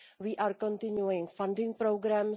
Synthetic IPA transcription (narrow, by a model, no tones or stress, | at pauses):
wiːʔaːɾkõnt̪ɪɲjuɪŋfãndɪŋpɾowɡɾam